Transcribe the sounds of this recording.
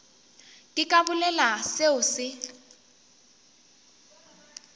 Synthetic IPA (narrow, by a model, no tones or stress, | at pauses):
kʼɪkʼabʊlɛlaseʊsɪ